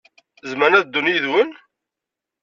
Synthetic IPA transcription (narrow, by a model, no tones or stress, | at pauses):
zmænæðd̪ːunijðwən